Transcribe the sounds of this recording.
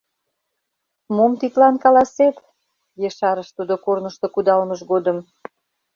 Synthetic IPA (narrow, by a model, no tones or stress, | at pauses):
momt̪it̪lɑnkɑlɑset̪ | jeʃɑɾəʃt̪ud̪okornəʃt̪okud̪ɑlməʃɡod̪əm